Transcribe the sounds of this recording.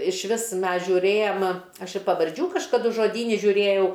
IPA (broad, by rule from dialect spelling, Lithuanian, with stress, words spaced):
ɪʃʲˈʋʲɪs ˈmʲɛs ʒʲuːˈrʲeːjɛm ˈɐʃ ɪ pɐʋɐrʲˈd͡ʒʲuː kɐʃkɐˈdʊ ʒoːˈdʲiːnʲɪ ʒʲʊˈrʲeːjɛʊ